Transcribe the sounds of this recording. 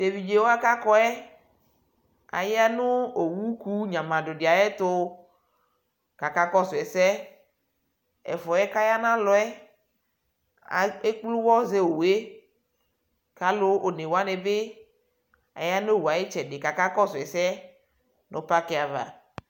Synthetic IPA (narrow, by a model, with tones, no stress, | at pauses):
de˨vi˨d͡ʒe˨wo˦a˦ka˦kɔ˦ɛ˦ | a̰˨ja˦nʊ˦o˨wu˦ku˦ɲã˨mã˨dʊ˨dɪ˨a˨jɛ˦t̪ʊ˦ | ka˨ka˦kɔ˦sʊ˨ɛ˨sɛ˦ | ɛ̰˨fɔ˨ɛ˦ka˦ja˦nã˦lɔ˨ɛ˦ | a˨e˦k͡plu˦wɔ˦ze˦wo˨we˦ | ka˦lʊ˦o˨ne˨wo˦a˦ne˨be˦ | a̰˨ja˦no˦˨wu˨a˨je˦t͡ʃɛ˨de˨ka˨ka˦kɔ˦sʊ˨ɛ˨sɛ˦ | nʔʊ̰̃˨pa˦ke˨a˨va̰˨